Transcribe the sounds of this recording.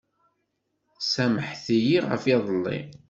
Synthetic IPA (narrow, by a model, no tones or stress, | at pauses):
sæməħθijiʁə̰fɑðˤəlːḭ